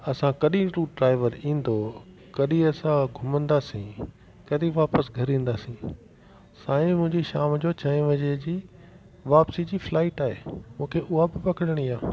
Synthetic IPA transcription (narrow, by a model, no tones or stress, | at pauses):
ɐsãkɐɗĩɾuːɖɾaːɪʋəɾĩːn̆d̪o | kɐɗĩɐsãɡʱʊmə̃nd̪aːsĩ | kɐɗĩʋaːpəsɡʱɐɾĩːn̆d̪aːsĩ | saːĩmʊ̃ɦɪ̃ɲd͡ʑiʃaːmd͡ʑoːt͡ɕɐĩʋɐɲed͡ʑiː | ʋaːpsid͡ʑiːflaːɪʈaːɦeːmũːkʰeʔʊɦabɪpɐkɪɽəɽ̃iːaː